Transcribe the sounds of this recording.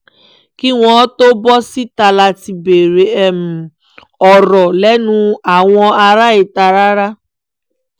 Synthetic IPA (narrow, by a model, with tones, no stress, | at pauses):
ki˦w̃ɔ̃˦to˦bɔ˦si˦ta˧la˧ti˧be˨ɾe˨ɛ˦˨m̩˨ | ɔ˨ɾɔ˨lɛ˦nũ˦a˨w̃ɔ̃˧a˧ɾa˦e˨ta˨ɾa˦ɾa˦